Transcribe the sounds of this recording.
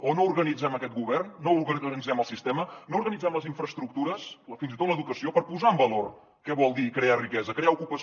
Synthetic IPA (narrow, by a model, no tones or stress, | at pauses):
onouɾɣənid͡zɛməkɛt̪̚ɡuβɛrnːouɾɣəənid͡zɛməlˠsist̪ɛmənouɾɣənid͡zɛmləziɱfɾəst̪ɾuk̚t̪uɾəsfinzit̪ot̪ləðukəsiopəɾpuzaəmbəlor | kɛβɔlˠd̪ikɾearikɛzəkɾeaukupə